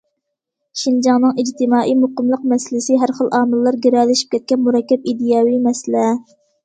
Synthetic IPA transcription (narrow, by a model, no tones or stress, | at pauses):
ʃind͡ʒɑŋnɨŋid͡ʒt̪ʰɪmɑːʔijmoqəmlˠəq̚mɛsɪlɪsɪɦæɾχəlˠʔɑːmɨlˠːɑɾɡʲeɾɛlɪʃi̥p̚kʲɛt̪̚kʲɛnmuɾɑkʲːɛp̚id̪ijɑːwimɛsɪlɛ